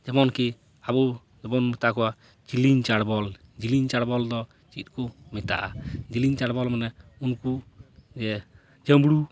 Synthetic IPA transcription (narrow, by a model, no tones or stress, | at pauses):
d͡ʒɛbɔnki | abɔ | d͡ʒɛbɔnmɛt̪akɔwa | d͡ʒiliɲt͡ʃaɽbɔld͡ʒiliɲt͡ʃaɽbɔld̪ɔ | t͡ʃit̪̚kɔmit̪a̰ʔad͡ʒiliɲt͡ʃaɽbɔlmanɛunkud͡ʒɛ | d͡ʒəmbɽu